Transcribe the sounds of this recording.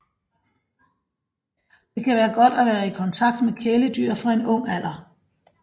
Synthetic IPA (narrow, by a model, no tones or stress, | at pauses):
d̥e̝kʰæʋæːɐɡ̥ɒ̽d̥æʋæːɐikʰɒ̽nt͡sʰɑ̈ɡ̥̚d̥mekʰeːləd̥yɐ̰fʁɑ̈e̝nɔ̽ŋ̰æl̰ɐ